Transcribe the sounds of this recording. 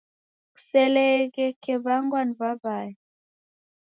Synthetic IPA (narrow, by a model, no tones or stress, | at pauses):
ku̥sɛlɛɣɛkɛβaŋɡwanbabaji